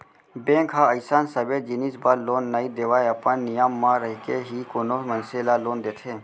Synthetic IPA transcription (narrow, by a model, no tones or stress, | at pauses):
bẽːŋkɦaɐsaːnsɐbeːd͡ʒiniːsbaːloːnːaid̪eːʋaːjɐpənnːɪjaːmːãɾəɦikeɦikoːnoːmɐnselaːloːnd̪eːt̪ʰeː